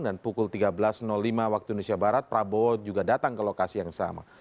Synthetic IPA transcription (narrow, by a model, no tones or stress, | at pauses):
ŋdanpukʊlt̪iɡabəlasnɔlːimawak̚t̪udnusiabaɾat̪̚pɾabod͡ʒuɡadat̪aŋkəlokasijaŋsa̰ma̰